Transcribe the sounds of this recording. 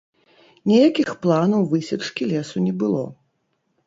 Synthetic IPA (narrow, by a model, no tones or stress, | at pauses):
nʲijakʲixplˠanɐwvɨsʲɛt͡ʂkʲilʲɛsunʲɛbɨlˠɔ̰